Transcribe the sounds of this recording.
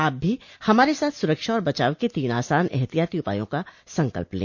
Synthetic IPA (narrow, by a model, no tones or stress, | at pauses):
aːp̚bʱihɐmaːɾesaːt̪ʰsʊɾəkʃaɔːɾbɐt͡ʃa̰ːʋket̪iːna̰ːsaːnɛ̰ɦt̪ijaːt̪iʊpa̰ːjõkasɐ̃ŋkə̰lplḛ̃ː